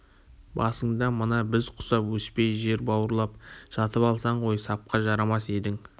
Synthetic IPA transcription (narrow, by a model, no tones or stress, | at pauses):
bɑsəɴd̪ɑmənɑbɪzqʰʊ̥sɑpwɵspe̞jʒe̞ɾbɑwəɾlˠɑp̚ʒ̥ɑt̪əpɑlˠsɑɴʁo̞jsɑp̚qɑʒɑɾɑmɑse̞d̪ɪŋ